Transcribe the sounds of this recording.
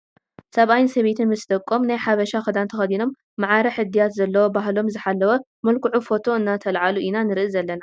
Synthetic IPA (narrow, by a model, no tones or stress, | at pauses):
sɐβajnsɐβet̪ʰɨnmɨsd̪ɐkʼːo̞mnajħaβɐʃaxɨd̪ant̪ʰɐxɐd̪ino̞mː | aʕaɾɐħɨd̪ːijat̪zɐlːɐwobaɦlo̞mzɨħalːɐwɐ | mɐlkʰuʕufo̞t̪ʰo̞ɨnːat̪ʰɐlʕaluʔinanɨɾɨʔɨzɐlːɐna